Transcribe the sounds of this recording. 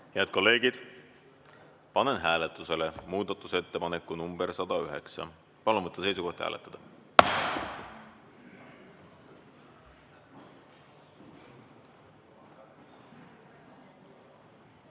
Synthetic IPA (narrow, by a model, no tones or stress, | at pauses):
heæd̪̚ko̞lːe̞ːɡid̪̥ | pɑnenɦæːlet̪ːˑuse̞lemuːd̪ɑt̪ːˑuse̞t̪ːe̞pɑne̞kːˑunumb̥eɾsɑd̪̥ɑyɦe̞̰ksɑ̰ | pɑluvɤt̪ˑːɑse̞jsuko̞ht̪hæ̰ːlḛt̪ːˑɑd̪ɑ